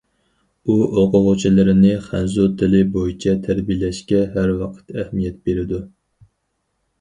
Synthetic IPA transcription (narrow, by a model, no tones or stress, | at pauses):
uʔoqʊʁʊt͡ʃʰilɪɾɪnɪχænzut̪ʰɪlɪbojit͡ʃʰɛt̪ʰæɾbijlɛʃkʲɛɦæɾwɑqʰə̥t̪æhmijɛt̪̚beɾɪd̪u